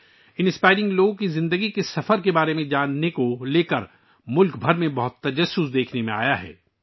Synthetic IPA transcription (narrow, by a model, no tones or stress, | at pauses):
ɪ̃nspaːɪɾɪ̃ŋɡloːɡkizɪ̃nd̪əɡikesɐfəɾkebaːɾemẽd͡ʒaːnːekoleːkəɾ | mʊlkbʱɐɾmẽbɐɦʊt̪ːɐd͡ʒɐsːʊsd̪eːkʰnemẽa̰ːjaɦɛ̰ː